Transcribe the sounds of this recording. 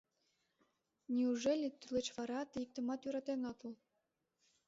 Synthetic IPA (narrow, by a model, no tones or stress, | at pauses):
nʲiuʒelʲet̪ylĕt͡ɕβɑɾɑt̪eik̚t̪ɤ̆mɑt̪yɾɑt̪enot̪ə̆lˠ